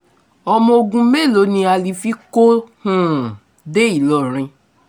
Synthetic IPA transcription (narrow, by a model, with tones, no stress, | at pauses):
ɔ˧mɔ̃˧o˧ɡũ˧˦me˦˨lo˨˦nĩ˧a˧li˨˦fi˦ko˦hũ˦˨ | de˦i˨lɔ˨ɾ̃ĩ˧